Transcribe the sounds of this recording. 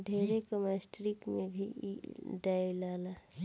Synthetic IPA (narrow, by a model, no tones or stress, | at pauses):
ɖʱeːɾekəmasʈɾikmẽbʱḭ | ɖaːilaːla